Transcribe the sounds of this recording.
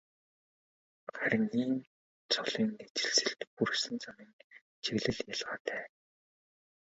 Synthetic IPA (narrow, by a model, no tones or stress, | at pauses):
χæɾʲɪ̆ŋiːn | t͡sʰɔɮiːnːet͡ɕɪ̥̆ɮsɘ̆ɬt̪pursɘ̆nt͡sʰamiːŋ | t͡ɕʰeɣɮɘ̆ɮjaɮʁaːt̪ʰæː